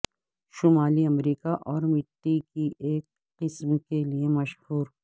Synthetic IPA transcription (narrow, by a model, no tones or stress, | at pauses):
ʃʊmaːliɐmɾiːkaʔɔːɾmɪʈːikiʔeːkːɪsmkeliemɐʃhuːɾ